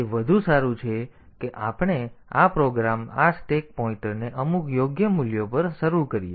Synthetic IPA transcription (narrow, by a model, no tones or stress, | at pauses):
eʋəd̪ʱũsaɾũt͡ʃʰe | keʔapɽ̃eapɾoɡɾamasʈek̚pɔĩɳʈəɾneʔəmukjoɡjəmuljopəɾʃəɾuɾkəɾije